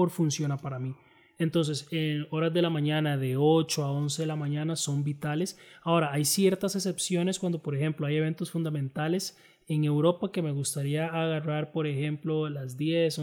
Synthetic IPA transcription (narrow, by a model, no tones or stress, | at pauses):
oɾfunsjo̞napaɾami | ent̪o̞ns̬e̞seŋo̞ɾazðe̞lamãɲanaðe̞ot͡ʃo̞ao̞nse̞ðelamaɲanaso̞mbit̪ale̞sao̞ɾaajsje̞ɾt̪ase̞se̞psjo̞neskwand̪o̞po̞ɾexe̞mploaje̞β̞e̞nt̪o̞sfund̪amẽnt̪ale̞s | e̞ŋe̞wɾo̞pake̞me̞ɣust̪aɾiaːɣaraɾpo̞ɾexe̞mplo̞lazd̪je̞s